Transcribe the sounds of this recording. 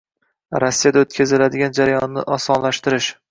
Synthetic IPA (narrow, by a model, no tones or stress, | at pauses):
ɾɒsːijad̪aot̪̚kʰʲazɪlad̪ɪɡʲand͡ʒaɾajɒnːɪʔɒsɒnlaʃt̪ɪɾɪʃ